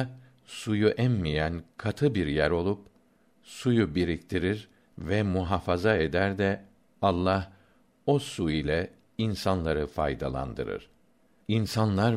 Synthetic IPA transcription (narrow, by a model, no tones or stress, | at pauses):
sujuʔɛmmijænkʰat̪ʰɯbiɾjæɾo̞lˠup | sujubiɾikt̪ʰiɾiɾ | vɛmuɦafazaed̪æɾd̪ɛ | alˠːah | o̞suilʲɛ | insanlˠaɾɯfa̰jd̪a̰lˠa̰nd̪ɯ̰ɾɯ̰ɾ̥ | insanlˠaɾ